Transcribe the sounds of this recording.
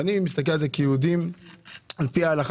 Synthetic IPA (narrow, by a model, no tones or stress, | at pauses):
nimist̪ak̬elalzekiud̪im | alpiaːlaχ